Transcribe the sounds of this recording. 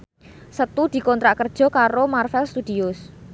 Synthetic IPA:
sət̪ud̪̥i̤kɔnt̪ɾaʔkərd̥ʒ̥ɔ̤kaɾomarfɛlst̪ud̥̪iʊs

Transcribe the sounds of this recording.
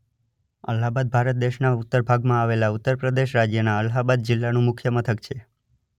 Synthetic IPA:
ə̰lɦabad̪̚bʱaɾət̪̚d̪eʃnaut̪ːəɾbʱaɡmãaʋelaut̪ːəɾpɾəd̪eʃɾad͡ʒjənaəlɦabad̪̚d͡ʒɪlːanũmʊkʰjəmət̪ʰəkt͡ʃʰe

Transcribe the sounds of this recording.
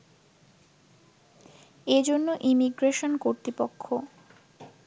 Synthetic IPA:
ed͡ʑonːoʔimiɡɾeʃonkoɾt̪ɾipokʰːo

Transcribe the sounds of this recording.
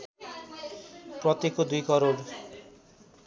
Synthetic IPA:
pɾɔt̪ekod̪ujkɔɾoɽ

